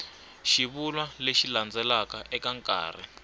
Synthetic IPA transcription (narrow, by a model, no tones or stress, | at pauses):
ʃiβulwaleʃiland͡zɛlakaʔɛkaŋkʼa̰ːrḭ